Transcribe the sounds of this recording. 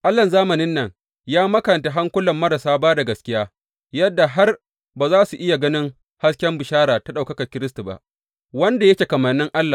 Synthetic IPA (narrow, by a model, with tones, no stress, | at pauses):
ʔa˦lːɐ˨nzaː˦mɐ˨nɪ˦nːɐ˨ŋ | jaː˦mɐ˦kɐ˨nta˨ɦa˦ŋkʷʊ˦lɐ˨mːɐ˦ɾa˨saː˦baː˦da˨ɡɐ˨skʲɪ˦jaː˦ | jɐ˦dːa˨ɦa˦r | baː˨zaː˦su˨ʔɪ˦ja˨ɡɐ˦nɪ˦ŋ | ha˦skʲɛ˦mbɪ˨ʃaː˦ɾaː˨ta˦ɗa˨kɐ˦kɐ˨kʲɪ˦ɾɪ˦s̬tu˨ba̰˨ʔ | wɐ˦nda˨jɐ˦kʲe˨kɐ˨mɐ˨nːɪ˦ŋʔa˦lːaː˨